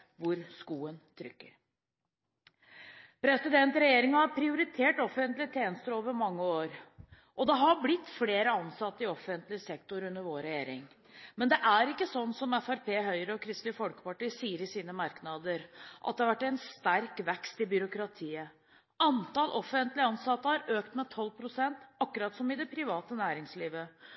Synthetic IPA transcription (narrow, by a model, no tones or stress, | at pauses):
ʋʊɾskuːənt̪ʰɾʏ̰kːə̰ɾ | pɾɛsɪd̪ɛnt̪ɾɛjeːɾɪŋɑhɑɾpʰɾɪʊɾɪt̪ʰeːʈɔfənt̪lɪt̪ʰeːnəst̪əɾoːʋəɾmɑŋːəoːɾ | ʔɔd̪ɛɦɑɾblɪt̪ːfleːɾəɑnsɑt̪ːəɪɔfənt̪lɪsɛkt̪ʊɾʉnːəɾʋoːɾɛjeːɾɪŋ | mɛnd̪ɛʔæɾɪkːəsɔnːsɔmæfæɾpʰeːɦœʏɾəɔkʰɾɪst̪lɪəfɔlkə̥pɑʈiːsiːəɾɪsiːnəmɑɾknɑd̪əɾʔɑt̪̚d̪ɛhɑɾʋæʈːæɪnst̪æɾkʋɛkst̪ɪbʏɾʊkɾɑt̪ʰiːə | ʔɑnt̪ɑːlʔɔfənt̪lɪəɑnsɑt̪ːəhɑɾøːkt̪mɛt̪ʰɔlːpʰɾʊsɛnt̪ɑkːʉɾɑːt̪sɔmɪd̪ɛpʰɾɪʋɑːt̪ənæːɾɪŋsliːʋə